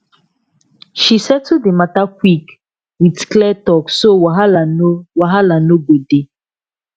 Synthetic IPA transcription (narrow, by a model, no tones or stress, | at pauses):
ʃisɛtːudematakwik | witklɛtɔksowaɦalanowaɦalanoɡode